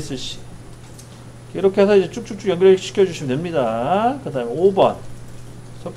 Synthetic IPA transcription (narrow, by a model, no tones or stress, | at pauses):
s͈ɯɕ͈i̥ | kɾʌkʰeasʰʌid͡ʑe̞t͡ɕ͈uk̚t͡ɕ͈uk̚t͡ɕ͈uɡjʌŋɡiɭɕʰi̥kʰjʌd͡ʑuɕʰimɯndwemɲidakɯdaːmeobʌ̰n | sʰʌ